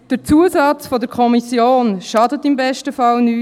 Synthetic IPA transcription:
d̥əɾt͡suəsɑt͡sfɔdəɾkʰɔmisjoːnʃɑdətɪmbɛʃtəfɑlnyː

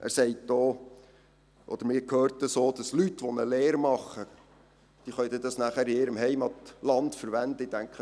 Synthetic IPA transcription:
ʔæ̰ɾsɛɪtd̥oː | ʔɔd̪̥əɾmɪːɾkʰhøːɾt̪əsoːd̥ɑslytʋɔnəleːɾmɑχːə | d̪̥iːχœɥdədɑsnæχæɾɪɪːɾəmhɛɪmɑt̪lɑntfəɾʋɛnd̪əid̥æŋkχə

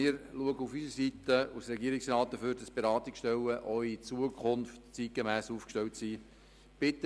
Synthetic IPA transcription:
ɪːɾluəɡəufysəsitəusɾɛɡiəɾɪksɾɑːt̚d̥əføːɾd̥ɑsb̥eɾɑːt̪ikʃtɛlːəʔœʏit͡suəkʰχʊnftt͡sit̚ɡ̥emæːsuːfkʃtɛltsiː | b̥ɪt̪ːə

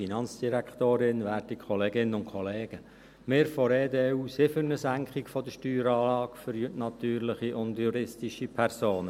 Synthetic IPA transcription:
inɑnt͡sd̥iɾækχt̪oːɾɪnʋæːɾtikʰχɔleːɡɪnːənʊnkχɔleːɡ̥ə | mɪːɾfɔɾeːd̪eːuːsɪfʏɾnəsæŋkχikfɔd̪əʃtyːɾɑːlɑːkfəɾjytnɑt̪yːɾlɪχiʔʊndjuɾɪstiʃipʰɛɾsoːnə

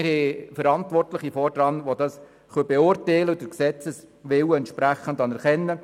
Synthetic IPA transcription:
ɪɾhɛfəɾɑntʋɔrtləχifɔrd̥ɾɑnʋod̥ɑs | χœbɛʊrtɛɪləd̥əksɛt͡səsʋɪwɛnt̪ʃpɾæχən̩dɑnɛɾχɛnːə

